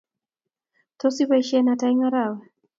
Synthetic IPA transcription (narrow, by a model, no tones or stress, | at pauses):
tɔsiβaiʃianataiŋaɾawɛ